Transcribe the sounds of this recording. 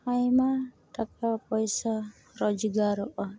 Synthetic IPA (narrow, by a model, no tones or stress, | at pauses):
ajma | t̪ak̚apɔjsa | ɾɔd͡ʒuɡaɾɔʔa